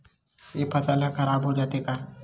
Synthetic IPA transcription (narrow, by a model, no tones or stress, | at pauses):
epatalakaɾabodat̪eka